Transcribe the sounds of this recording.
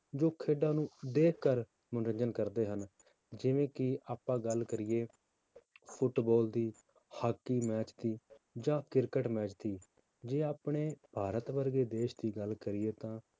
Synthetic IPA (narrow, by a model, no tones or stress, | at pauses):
d͡ʒoːkʰeːɖãːnũːd̪eːkʰkəɾ | mənɾə̃ɲd͡ʒənkəɾd̪eːɦən | d͡ʒɪʋẽːkɪaːpãːɡəlkəɾɪjeː | pʰʊʈbɔːld̪iː | haːkːiːmɛːt͡ʃt̪iːd͡ʒãːkɪɾkəʈmɛːt͡ʃt̪iː | d͡ʒeːaːpɳeːbʱaːɾət̪ʋəɾɡeːd̪eːʃd̪iːɡəlkəɾɪjeːt̪ãː